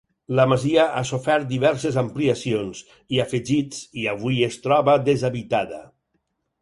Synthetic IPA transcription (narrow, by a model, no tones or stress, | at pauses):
ləmaziəʔasofɛɾt̪̚d̪iβɛɾsezampliasions | iafeʒit͡siaβ̞ujest̪ɾɔβəd̪ezaβit̪aðə̰